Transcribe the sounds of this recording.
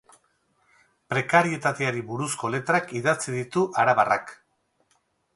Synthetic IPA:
pɾe̞kaɾie̞t̪at̪e̞aɾiβuɾusko̞le̞t̪ɾakiðat͡siðit̪uʔaɾaβara̰k

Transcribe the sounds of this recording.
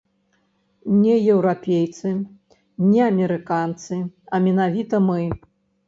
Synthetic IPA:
nʲɛjɛwɾapʲejt̪sɨ | nʲɛɐmʲɛɾɨkant̪sɨɐmʲɛnavʲit̪ɐmɨ

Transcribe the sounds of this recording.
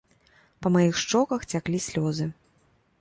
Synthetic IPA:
pɐmajixʂt͡ʂɔkɐxt͡sʲaklʲisʲlʲɔzɨ

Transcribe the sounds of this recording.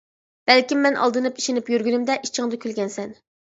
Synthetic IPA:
b̥ɛlkʲimːɛnʔɑ̰lˠd̪ɨnɨpi̥ʃenɪpjyɾɡʲynymd̪ɛʔit͡ʃʰːɪŋd̪ɨkʲʰylɡʲɛnsɛn

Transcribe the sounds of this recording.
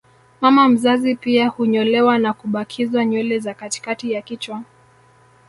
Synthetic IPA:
mamam̩zazipiahuɲɔlɛwanakuɓakʰizwaɲɔlɛzakati̥katijakit͡ʃwa

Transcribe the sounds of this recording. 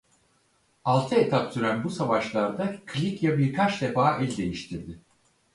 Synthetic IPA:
alˠt̪ʰɯet̪ʰapsyɾænbusavaʃlˠaɾd̪akʰlʲikjabiɾkʰat͡ʃd̪e̞faːʔɛlʲd̪e̞jiʃt̪ʰiɾd̪ɪ

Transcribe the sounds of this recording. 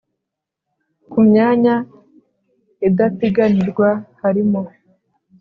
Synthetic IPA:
kumɲaːɲa | edateɡaniɾɡwahaɾimo

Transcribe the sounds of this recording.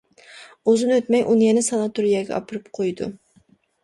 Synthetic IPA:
uzɨnøt̪mɛjʔunɨjɛnɪsɑnɑt̪uɾijɛɡʲɛ̰ʔɑ̰pʰɨɾɨpqʰojd̪ṵ

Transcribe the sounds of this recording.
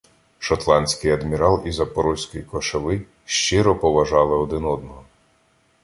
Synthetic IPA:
ʃɔt̪lˠɑnʲsʲkɪjɐd̪mʲiɾɑlˠizɐpɔɾɔsʲkɔjikɔʃɐʋɪ | ʃt͡ʃɪɾɔpɔʋɐʒɑlˠɪɔd̪ɪnɔd̪nɔɦɔ

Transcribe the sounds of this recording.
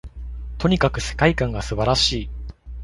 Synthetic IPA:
t̪o̞ɲ̟ikakɯ̟se̞̥kaikãŋɡasɨbaɾaɕiː

